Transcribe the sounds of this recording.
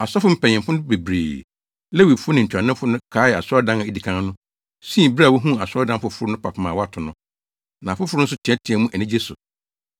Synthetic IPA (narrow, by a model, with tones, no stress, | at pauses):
a˨sɔ˦fʊ˦m̩˦pɛ̃˨ɲɪ̃˨mfʊ̃˦be˨bɾḛː˨ | le˦wi˨fʊ˦nɪ̃˨ɲ̩˨t͡ɕʰᶣa˨nɪ̃˦fʊ˦nʊ̃˦kʰaː˨˦jɛ˨a̰˨sdã˦na˨ɛ˦di˨kʰã˦n˦nʊ̃˦ | sĩ˦˨ba˦˨wo˦ɦũ˦˨a˨sɔ˦dã˦mfʊ˨fʊ˦ɾʊ˦nʊ̃˦pʰa˨pʰɪ˨˦mã˨wɔ˦a˨tʰʊ˨nʊ̃˦ | nã˨fʊ˦fʊ˦ɾʊ˦n̩˦s̬ʊ˦tʰɪ˨ɛ˦tʰɪ̃˨˦ɛ˨˦mũ˦ʔæ˨nɪ̃˦d͡ʑe˦sʊ̰˨